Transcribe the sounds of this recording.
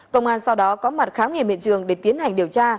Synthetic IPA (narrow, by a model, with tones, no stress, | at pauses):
kə˧wŋ͡mʔaː˧nsa˧wɗɔ˨˦kɔ˨˦ma˨˩t̚xaː˨˦wŋ͡mŋi˧˩mḭ˧˨nt͡ɕɨ̰˧˩əŋɗe˧˩t̪i˨˦ənha˨˩jŋ̟ɗi˨˩əwt͡ɕaː˧